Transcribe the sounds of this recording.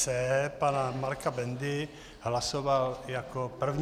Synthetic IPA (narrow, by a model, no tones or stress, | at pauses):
ɛpanamaɾkabɛnd̪ɪ | ɦlasovaljakopr̩vɲ